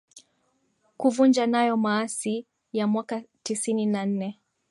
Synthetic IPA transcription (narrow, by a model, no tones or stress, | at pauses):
kuvund͡ʒanajɔmaːsi | jamwakatisininan̩nɛ